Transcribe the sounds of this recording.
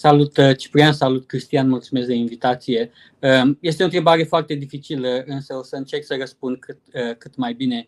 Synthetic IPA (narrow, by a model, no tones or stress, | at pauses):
salut̪t͡ʃi̥pɾiansalut̪kɾist̪ijanmult̪sumesk̚d̪einvit̪at̪sije̞ | əje̞st̪eont̪ɾe̞baɾe̞foart̪e̞d̪ifit͡ʃiləɨnsəosəɨnt͡ʃe̞rksərəspund̪̚kʰɨt̪əkɨt̪majbine̞